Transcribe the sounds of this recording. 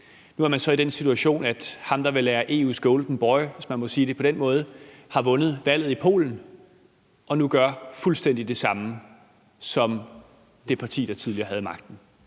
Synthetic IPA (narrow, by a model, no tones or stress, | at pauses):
nuæɐmænsɒ̽id̥ensit͡sʰuæɕo̝̰ːnæd̥hɑ̈md̥ɑ̈ʋe̝læːɐʔe̝̰usɡ̥ɔʊld̥n̩b̥ɒ̽ɪʋe̝smænmɒ̽siːd̥e̝pʰɒ̽d̥enmɔ̽ːð̞̩ˠəhɑ̈ʋɔ̽nð̞̩ˠʋæl̰ð̩ˠipʰo̝̰ːln̩ | ʔɒ̽nuɡ̥ɶɐfulsd̥en̰d̥id̥e̝sɑ̈mə | sɒ̽m | d̥e̝pʰɑ̈t͡sʰḭːd̥ɑ̈t͡sʰið̞ˠliɐːɦæð̞ˠmɑ̈ɡ̥̚d̥n̩